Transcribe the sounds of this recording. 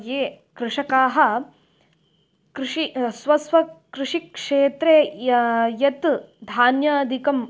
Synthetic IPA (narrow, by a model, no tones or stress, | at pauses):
jeː | kɾuʂɐkaːɦɐ̆ | kɾʂisʋɐsʋɐkɾuʂikʂeːt̪ɾeː | jɐt̪ | d̪ʱaːnjɐd̪ʱikɐm